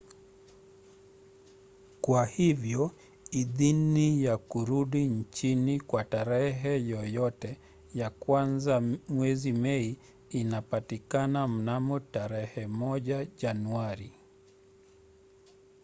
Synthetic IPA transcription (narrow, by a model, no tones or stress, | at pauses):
kwahivjɔ | iðinijakuɾuɗint͡ʃinikwataɾɛɦɛjɔjɔtɛ | jakwanzamwɛzimɛi | inapatikanam̩namɔtaɾɛhɛmɔʄaʄanuaɾi